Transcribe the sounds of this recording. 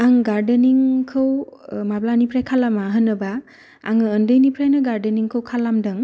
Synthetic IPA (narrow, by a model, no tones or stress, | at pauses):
aŋɡaɾdeniŋkʰɯwmablanipʰɾajkʰalamaɦɯnːɯba | a̰ŋɯːndɯjnipʰɾajnɯɡaɾdeniŋkʰɯwkʰalamdɯŋ